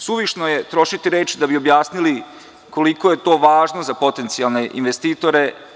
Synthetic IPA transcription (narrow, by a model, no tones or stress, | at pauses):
suʋiʃnojet̪ɾo̞ʃit̪iɾeːt͡ʃd̪abio̞bjaːsnili | koliko̞je̞t̪o̞ːʋaːʒno̞zapo̞t̪e̞nt̪sialˠne̞ʔḭnʋest̪iːt̪o̞ɾe